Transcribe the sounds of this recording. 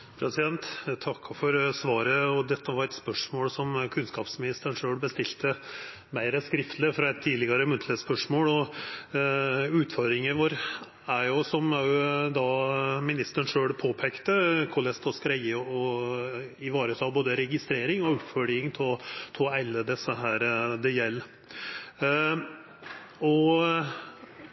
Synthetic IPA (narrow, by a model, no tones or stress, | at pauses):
pʰɾɛsɪd̪ɛnt̪t̪ʰɑkːfɔɾsʋɑːɾəɔd̪ɛt̪ːəʋɑɾɛt̪spœʂmoːlsɔmkʰʉnskɑːpsmɪnɪst̪əɳʂøːɭbəst̪ɪlt̪ə | mæɪɾəskɾɪft̪lɪfɾɑɛt̪ʰːiːd̪lɪɡɑɾəmʉnt̪ləspœʂmoːlɔ | ʉːt̪fɔɾd̪ɾɪŋəʋoːɾ | æɾjʊsɔmɑʉd̪ɑmɪnɪst̪əɳʂøːɽpʰoːpʰɛkt̪əkʰɔlɛst̪ɔskɾɛɪəɔ | ɪʋɑːɾət̪ʰɑːboːd̪əɾɛɡɪst̪ɾeːɾɪŋɔʉpfœljɪŋt̪ʰt̪ʰɔæɪlːəd̪ɛsːəɦæːɾd̪ɛjɛlː | ɔ